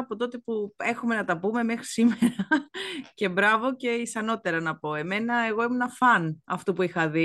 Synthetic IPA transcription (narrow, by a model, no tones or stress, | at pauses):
ɐpo̞t̪o̞t̪e̞pue̞xume̞nɐt̪ɐpume̞mexɾi̥sime̞ɾɐce̞bɾɐvo̞ce̞isɐno̞t̪e̞ɾɐnɐpo̞e̞me̞nɐe̞ɣo̞emunɐfɐnɐft̪upuixɐði